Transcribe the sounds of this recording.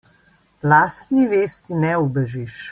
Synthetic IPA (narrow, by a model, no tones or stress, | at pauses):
laːst̪niʋeːst̪inɛɔbɛʒiʃ